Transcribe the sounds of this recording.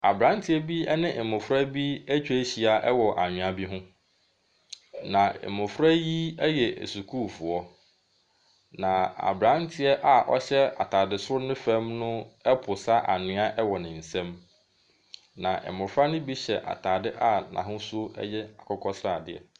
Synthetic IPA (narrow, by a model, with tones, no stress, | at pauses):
a˨bɾã˦n˦tʰɪ˦ɛ˦bi˦ɛ˦nɪ̃˦ʔɪ˨mʊ̃˨fɾa˦bi˦æ˦t͡ɕᶣe˦ɕi˨a˨ʔɛ˦wɔ˨ʔa˨ɲᶣʊ̃˨a˨bi˦ɦʊ̃˦ | nã˨ɪ̰˨mʊ̃˨fɾa˦ji˦ɛ˦jɛ˨ʔḛ˨su˨kʰuː˦˨fʊ˨ɔ˦ | nã˨a̰˨bɾã˦ntʰɪ˨˦ɛ˦ʔa˨ʔɔ̰˦ɕɛ˦a˨tʰa˨dɪ˨sʊ˦ɾʊ˦nɪ̃˦fɛ̃˦mnʊ̃˦ɛ˦pʰʊ˨sa˦ʔa˨nɪ̃˦a˦ʔɛ˦wɔ˨nɪ̃˨n̩˨sɛ̃˦m | nã˨ʔɛ̰˨mʊ̃˨fɾa˦nʊ̃˦bi˦ɕɛ˨ʔa̰˨tʰaː˨dɪ˦ʔa˦nã̰˨ɦʊ̃˦sʊ˦ɛ̰˦jɛ˦a˨kʰɔ˦kʰɔ˦sɾa˨dɪ̰˨ɛ̰˨